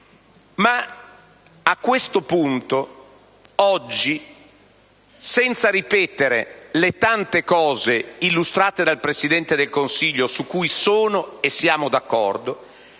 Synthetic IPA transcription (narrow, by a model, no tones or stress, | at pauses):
ma | akːwest̪opunt̪o | ɔd͡ʒːi | sɛnt̪saɾipɛːt̪eɾelet̪ant̪ekɔːzeilːust̪ɾaːt̪ed̪alpɾesid̪ɛnt̪ed̪elkonsiʎːosukːujsoːnoesːjaːmod̪akːɔ̰rd̪o